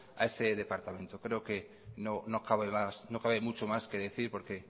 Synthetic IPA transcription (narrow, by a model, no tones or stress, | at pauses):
a̰e̞se̞ðe̞paɾt̪amẽ̞nt̪okɾe̞oke̞ | no̞no̞kaβemasnokaβemut͡ʃomaske̞ðe̞θiɾpo̞ɾke̞